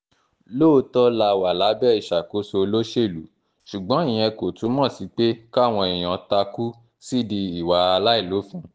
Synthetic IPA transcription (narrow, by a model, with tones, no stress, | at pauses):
lo˦˧tɔ˦la˧wa˨la˨˦bɛ˦i˦˨ʃa˨ko˨˦so˧lo˦ʃe˦˨lu˨˦ | ʃu˨ɡ͡bɔ̃˨˦ĩ˦˨j̃ɛ̃˧ko˨tu˨˦mɔ̃˦˨si˨˦k͡pe˦ka˦˨w̃ɔ̃˧i˨j̃ɔ̃˨˦ta˧ku˦ | si˦di˧i˨wa˨˧a˧la˦i˦˨lo˨˦fũ˦